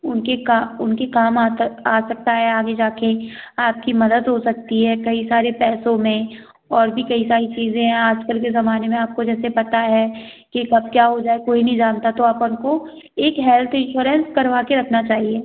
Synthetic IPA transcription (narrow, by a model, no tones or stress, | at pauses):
ʊnkekaʊnkekaːmaːaːsɐk̚t̪aɦɛaːɡed͡ʒaːkeaːp̚kimɐd̪əd̪ɦosɐk̚t̪iɦɛːkɐisaːɾepɛːsõmẽ | ɔːɾbʱikɐisaːɾit͡ʃiːzẽɦɛ̃aːd͡ʒkəlk̬ezɐmaːnemẽaːp̚kod͡ʒɛːsepɐt̪aɦɛːkikɐb̚kjaːɦod͡ʒaːekoːinɐɦĩd͡ʒaːnt̪at̪oaːpʊnko | eːkɦɛlt̪ʰɪ̃nʃuːɾə̃nskɐɾʋaːkeɾɐkʰnat͡ʃaːɦieː